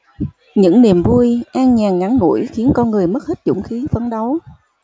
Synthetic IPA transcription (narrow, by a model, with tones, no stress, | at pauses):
ɲɨ̰˧˥ŋni˨˩mvu˧jʔaː˧ŋɲaː˨˩ŋŋa˨˦ŋːṵ˧˩jxi˨˦ənkɔ˧nŋɨ˨˩əjmə˦˥t̚hi˦˥t̚zʊ̰˧˩ŋ͡mxi˨˦fə˨˧˦nɗa˨˦w